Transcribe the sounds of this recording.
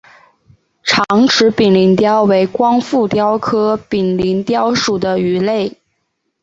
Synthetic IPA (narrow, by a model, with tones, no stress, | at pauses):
ʈ͡ʂʰɑ˧˥ŋʈ͡ʂʰɻ̩˧˥pi˨˩nli˧˥nt̪jɑ˥ʊwe˧˥ɪkwɑ˥ŋfu˥˩t̪jɑ˥ʊkʰɤ˥pi˨˩nli˧˥nt̪jɑ˥ʊʂu˨˩d̪ə˦y˧˥le˥˩ɪ